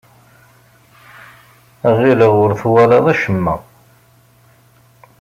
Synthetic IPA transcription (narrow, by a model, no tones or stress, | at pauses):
ʁiləʁʊɾθwælɑðˤæʃəmːæ̰